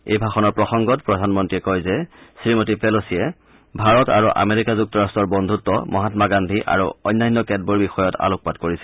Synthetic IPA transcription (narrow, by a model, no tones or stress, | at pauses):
ḛjbʱaxɔnɔɹpɹɔxɔŋɡɔtpɹɔdʱanmɔntɹiɛkɔjzɛsɹimotipɛlosijɛ | bʱaɹɔta̰ɹuʔa̰meɹikazuk̚tɔɹastɔɹbɔndʱutːɔmɔɦatmaɡandʱiʔa̰ɹṵɔ̰jnːajnːɔkɛd̚bɔɹbixɔjɔta̰lʊk̚patkoɹisɛ